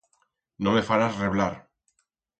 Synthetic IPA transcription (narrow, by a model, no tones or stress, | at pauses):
nõmefaɾasreβlaɾ